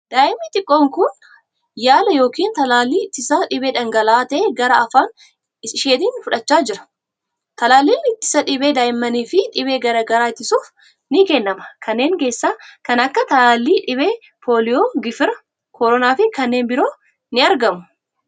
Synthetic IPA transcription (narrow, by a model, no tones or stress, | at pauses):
d̪̥aːʔɪmːɪt̪ɪkʼːoːŋkʊn | jaːlɐjo̞ːkiːnt̪ɐlaːlːiːt̪ːɪsaːᶑɪbeːᶑɐŋɡɐlaːt̪eːɡɐɾɐɐfaːn | ɪʃeːt̪iːnfʊᶑɐt͡ʃːaːd͡ʒɪɾɐ̥ | t̪ɐlaːlːiːmːɪt̪ːɪ̥sɐᶑɪbe̞ːd̪aːʔɪmːɐniːfɪᶑɪbe̞ːɡɐɾɐɡɐɾaːɪt̪ːɪsuːf | nɪkɛnːɐmɐ̥kʰɐnːe̞ːŋke̞ːsːaːkɐnɐkːɐt̪ɐlaːlːiːᶑɪbe̞ː | pʰo̞ːlɪjoːɡɪfɪɾɐ | kʰɔɾɔnaːfɪkɐnːeːnbɪɾo̞ː | nɪɐɾɡɐmʊ̥